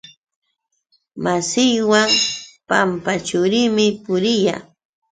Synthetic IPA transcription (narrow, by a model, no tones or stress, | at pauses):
masɪjwaŋpampat͡ʃʊɾɪmɪpʊɾɪja̰